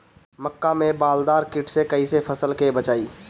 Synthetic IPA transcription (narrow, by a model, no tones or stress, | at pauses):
məkːamẽbaːld̪aːɾkɪʈʰsekəisepʰəsəlkebət͡ʃaːi